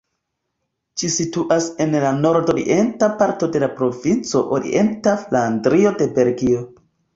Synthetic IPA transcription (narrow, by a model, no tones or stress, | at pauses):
d͡ʒisituʔase̞nlano̞ɾdo̞ɾḭʔe̞ntapaɾto̞de̞lapɾo̞vint͡so̞ʔo̰ɾḭʔe̞ntaflandɾio̞de̞be̞ɾɡio̞